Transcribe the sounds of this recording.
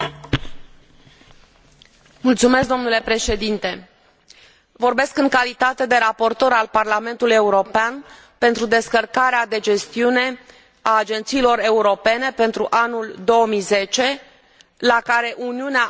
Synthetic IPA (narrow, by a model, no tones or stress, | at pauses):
mult̪sume̞skd̪o̞mnule̞pɾe̞ʃe̞d̪int̪e̞ | vo̞rbe̞skɨŋkalit̪at̪e̞d̪e̞ɾapo̞rt̪o̞ɾalparlame̞nt̪uluje̞uɾo̞pean | pe̞nt̪ɾud̪e̞skərkaɾead̪e̞d͡ʒe̞st̪iune̞ | aːd͡ʒe̞nt̪siːlo̞re̞uɾo̞pe̞ne̞pe̞nt̪ɾuʔanuld̪o̞əmijze̞t͡ʃe̞ | lakaɾe̞ʔuniunea